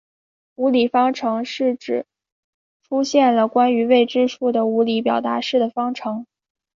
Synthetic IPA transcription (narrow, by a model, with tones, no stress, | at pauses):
u˧˥li˨˩fɑ˥ŋʈ͡ʂʰɤ˧˥ŋʂɻ̩˥˩ʈ͡ʂɻ̩˨˩˦ | ʈ͡ʂʰu˥ɕjɛ˥˩nlə˩kwa˥ny˧˥we˥˩ɪʈ͡ʂɻ̩˥ʂʰu˥˩d̪ə˩u˧˥li˧˥pjɑ˨˩ʊt̪a̰˧˥ʂɻ̩˥˩d̪ə˩fɑ˥ŋʈ͡ʂʰɤ˧˥ŋ